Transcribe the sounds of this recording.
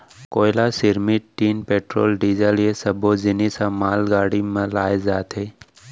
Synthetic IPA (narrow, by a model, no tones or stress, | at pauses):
koːɪlasɪɾmɪʈʈːiːnpeːʈɾoːlɖiːzəljesɐbʱod͡ʒɪnisãmaːlɡaːɽimãlaːezaːt̪ɦeː